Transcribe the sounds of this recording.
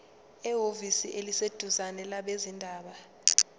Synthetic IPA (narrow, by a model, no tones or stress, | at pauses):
ɛɦovisiʔelised̥ʱuzanɛlaɓezindʱaːɓa